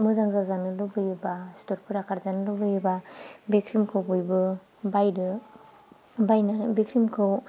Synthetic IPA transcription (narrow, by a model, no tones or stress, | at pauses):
mɯzaŋzazanɯlubɯjɯbastɔɾpʰɯɾakʰaɾzanɯlubɯjbabikʰɾimkʰɯwbɯjbɯ | bajdɯ | bajnabikʰɾimkʰɯw